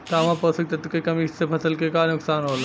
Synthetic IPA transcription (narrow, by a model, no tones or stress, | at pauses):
t̪ɐɐʋãpəsɐk̚t̪ɐt̪kekɐmisepʰɐsəlkekanʊksaːnɦoːla